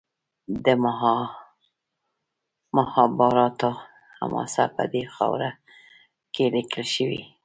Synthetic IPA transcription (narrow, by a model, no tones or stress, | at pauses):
d̪əm | mahɑbɑɾɑt̪o | ha̰mɑ̰sapə̰d̪exɑwɾa | kʰelikəlʃəwḭ